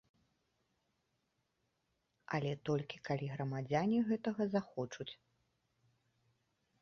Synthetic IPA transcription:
ɐ̰lʲɛt̪ɔlʲkʲi̥kalʲiɣɾɐmad͡zʲanʲiɣɛt̪ɐɣɐzaxɔt͡ʂut͡sʲ

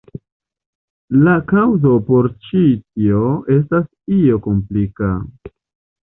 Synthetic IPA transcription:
lakawzo̞po̞ɾt͡ʃitioe̞s̬tas | io̞ko̞mplika̰

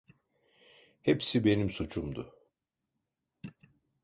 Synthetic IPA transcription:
hepsibe̞nimsut͡ʃʰumd̪ʊ

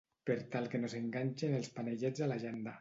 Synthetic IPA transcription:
peɾt̪alˠkenozeŋɡaɲʲt͡ʃenelˠspaneʎɛd͡zalaʒend̪a

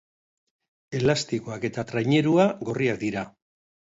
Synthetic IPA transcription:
e̞last̪ikoake̞t̪at̪ɾajɲe̞ɾuaɡo̞riak̚d̪iɾa

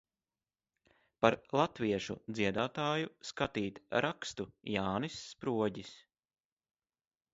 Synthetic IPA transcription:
paɾlˠat̪viɛʃṵd̪ziɛd̪aːt̪aːjuskat̪iːt̪ɾʔakst̪ujaːnisːpɾuɔɟis

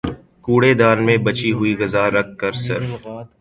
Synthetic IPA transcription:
kuːɽed̪aːnmẽbɐt͡ʃiɦʊiɣɐzaːɾɐk̚ːɐɾsɪɾf

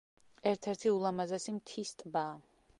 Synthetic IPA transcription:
ɛɾt̪ʰɛɾt̪ʰiulˠamazɛsimt̪ʰist̪ʼbaː

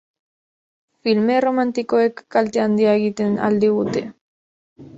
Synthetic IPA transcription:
filmeromant̪ikoekːalt̪eand̪iaɣit̪ena̰ld̪iut̪e

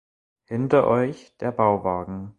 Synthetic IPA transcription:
hɪntɐʔɔʏçd̥eːɐbaʊvaːɡŋ̩

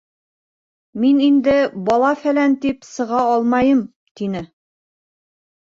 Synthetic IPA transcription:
minind̪ɘbɒlˠɑfælænt̪ipsɤ̆ʁɑɒlˠmɑjɤm | t̪inɘ

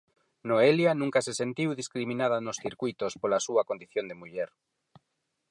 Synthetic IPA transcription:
noeljanũŋkasesent̪iwðiskɾimĩnaðanosθiɾkujt̪ospolasuakond̪iθjond̪emuʎeɾ

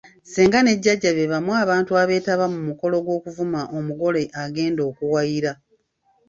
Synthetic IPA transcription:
seːŋɡane̞ɟːaɟːaβeβamwaːβaːntuaβe̞ːtaβamumuko̞lo̞ɡwo̞ːkuvumaʔomuɡo̞le̞ʔaɡe̞ːndo̞ːkuwajiɾa

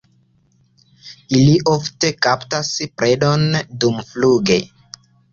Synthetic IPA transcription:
iliʔofte̞kaptaspɾʔe̞do̞ndumfluɡe̞

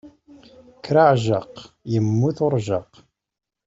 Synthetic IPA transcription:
kːɾaʕʒəq | jəmːuθʊɾˤʒɑq

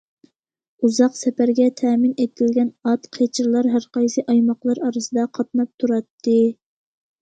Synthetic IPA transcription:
uzɑqsɛpæɾɡʲɛt̪ʰɛːmɪnet̪ɪlɡʲɛnɑt̪qʰet͡ʃʰɪɾlˠɑɾɦæɾqɑjsɨʔɑjmɑqlˠɑɾɑɾɨsɨd̪ɑqʰɑt̪̚nɑp̚t̪ʰuɾɑt̪ʰːɨ

